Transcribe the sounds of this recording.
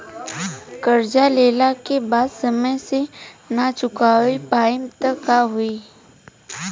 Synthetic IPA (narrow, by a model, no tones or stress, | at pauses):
kɐɾd͡ʒaleːlakebaːd̪sɐməjsenat͡ʃʊkaːipaːɪmt̪əkːaɦʊiː